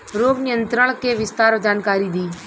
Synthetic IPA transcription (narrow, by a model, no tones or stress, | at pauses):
ɾoːɡnɪjənt̪ɾəɽ̃keʋɪst̪aːɾd͡ʒaːnkaːɾiːd̪iː